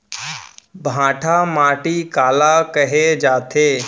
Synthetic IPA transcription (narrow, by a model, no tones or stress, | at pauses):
bʱãːʈʰaːmaːʈiːkaːlaːkəɦed͡ʒaːt̪ʰeː